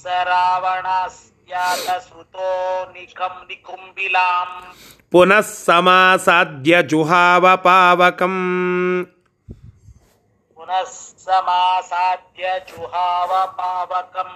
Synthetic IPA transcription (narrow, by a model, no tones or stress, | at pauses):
sɐɾaːʋɐɳaːs | jaːt̪ɐsut̪oːnikʰɐmnikumbilaːm | punɐsːɐmaːsaːd̪ʱjɐd͡ʒuɦaːʋɐpaːʋɐkɐm | punɐsːɐmaːsaːd̪ʱjɐd͡ʒuɦaːʋɐpaːʋɐkɐm